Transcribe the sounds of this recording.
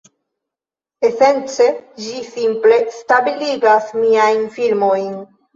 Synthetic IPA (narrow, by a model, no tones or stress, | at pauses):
e̞se̞nt͡se̞d͡ʒisimple̞stabiliɡasmiajnfilmo̞jn